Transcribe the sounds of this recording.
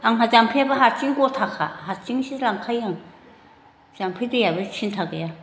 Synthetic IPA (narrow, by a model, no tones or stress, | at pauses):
ʔaŋɦat͡ɕaŋpʰepaɦat͡ɕiŋkot̪ʰakʰːaɦat͡ɕiŋɕilaŋkʰajaŋ | t͡ɕaŋpʰet̪ejapet͡ɕʰint̪ʰakja